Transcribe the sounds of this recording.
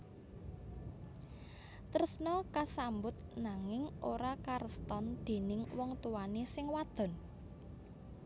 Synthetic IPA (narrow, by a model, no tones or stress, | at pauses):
t̪əɾəsnɔkasambʊt̪̚naŋɪŋʔoɾakaɾəst̪ɔnd̪̥e̤nɪŋwɔŋt̪uwanesɪŋwad̪̥ɔ̤n